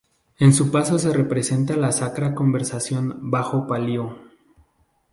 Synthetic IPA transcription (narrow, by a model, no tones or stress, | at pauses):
e̞nsupaso̞se̞re̞pɾe̞se̞nt̪alasakɾako̞mbe̞ɾsasjo̞nbaxo̞paljo